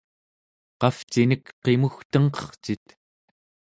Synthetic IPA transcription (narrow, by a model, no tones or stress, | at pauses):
qɑft͡ʃinəkqe̞muxt̪əŋqʌ̥χt͡ʃit̪